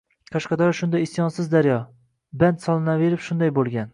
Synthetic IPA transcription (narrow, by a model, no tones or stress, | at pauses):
qʰɑʃqɑd̪ɒɾɑʃʊnd̪ajɪsjɒnsɪzd̪aɾjɒ | bant̪sɒlˠɪnave̞ɾɪpʃʊnd̪ajbolˠɡʲan